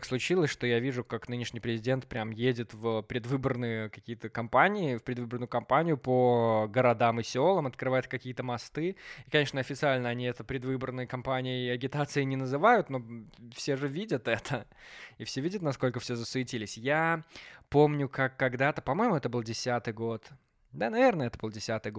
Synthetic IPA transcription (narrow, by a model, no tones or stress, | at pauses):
kslˠʊt͡ɕilˠəsʲʂt̪ojavʲiʐʊkaknɨnʲɪʂnʲɪjpɾʲɪzʲɪdʲe̞nt̪̚pɾʲamjedʲɪt̪vəpɾʲɪd̪vɨbərnɨjəkɐkʲijət̪əkɐmpanʲɪɪfpɾʲɪd̪vɨbərnʊjʊkɐmpanʲɪjʊpəɡəɾɐd̪amɨsʲolˠəmɐt̪kɾɨvajɪt̪kɐkʲijət̪əmɐst̪ɨɪkɐnʲe̞ʂnəɐfʲɪt̪sɨalʲnəɐnʲiɛt̪əpɾʲɪd̪vɨbərnɨjəkɐmpanʲɪjəɪɐɡʲɪt̪at̪sɨɪnʲɪnəzɨvajʊt̪no̞fsʲeʐɨvʲidʲət̪ɛt̪ʰə | ɪfsʲevʲidʲət̪nɐsko̞lʲkəfsʲezəsɨɪtʲilʲɪsʲjapo̞mnʲʊkakːɐɡd̪at̪əpɐmo̞jɪmʊɛt̪əbɨlˠdʲɪsʲat̪ɨjɡot̪ | d̪anɐvʲe̞rnəɛt̪əbɨlˠdʲɪsʲat̪ɨjɡ